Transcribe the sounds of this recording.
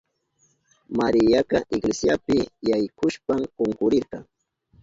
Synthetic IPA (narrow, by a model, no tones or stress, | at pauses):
maɾɪjakɑʔɪɡlesjapɪjajkʊʃpamkoŋkʊɾɪɾqɑŋ